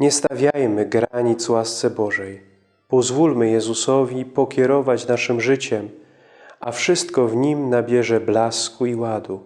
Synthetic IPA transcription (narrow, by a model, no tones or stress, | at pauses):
ɲɛst̪avʲjajmɘɡɾaɲit̪swast̪sɛbɔʐɛj | pɔzvulmɘjɛzusɔvʲipɔkʲɛɾɔvat͡ɕnaʂɘmʐɘt͡ɕɛm | ʔa̰fʂɘst̪kɔvɲimnabʲjɛʐɛblaskuiwad̪u